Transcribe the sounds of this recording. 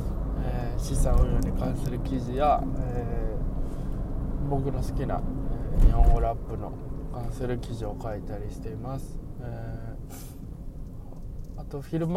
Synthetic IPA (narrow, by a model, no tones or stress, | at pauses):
eɕisãojoːɲ̟ikãɰ̃sɨɾɯ̟kʲiʑijae | bo̞kɯ̟no̞sɨ̥kʲina̰ejãoɾapːɯ̟no̞̰kãɰ̃sɨɾɯ̟kʲiʑio̞kait̪aɾʲiɕi̥t̪e̞imasɨ̥eː | at̪o̞ɸʲiɾɯ̟m